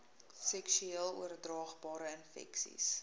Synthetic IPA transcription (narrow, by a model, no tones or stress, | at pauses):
sɛksyiːlˠṵərdrɑːχbɑːɾəənfɛ̰ksḭs